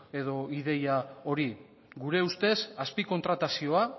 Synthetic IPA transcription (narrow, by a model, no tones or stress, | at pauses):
e̞ðo̞iðe̞jao̞ɾi | ɡuɾe̞ust̪e̞saspiko̞nt̪ɾat̪asio̞a